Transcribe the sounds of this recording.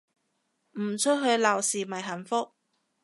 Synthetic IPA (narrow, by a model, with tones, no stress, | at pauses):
m̩˨˩t͡ʃʰɵ˥t̚ɦɵ˨˧ɥlaː˨˩wsiː˨mɐ˨jɦɐ˨˩nfʊ˥k̚